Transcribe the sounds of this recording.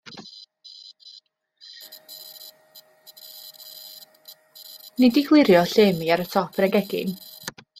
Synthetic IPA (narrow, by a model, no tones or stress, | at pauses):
nɪdiɡlˠɪɾjɔɬeːmiaɾətʰɔpʰɾɛɡɛɡɪ̰n